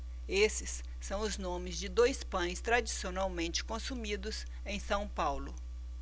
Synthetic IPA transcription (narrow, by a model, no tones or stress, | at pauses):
esɪsː | ɐ̃w̃ʊznõmɪzd͡ʒɪd̪ojspɐ̃j̃st̪ɾad͡ʒisionawmẽnt͡ʃɪ̥kõsumid̪ʊz | ẽj̃sɐ̃w̃pawlʊ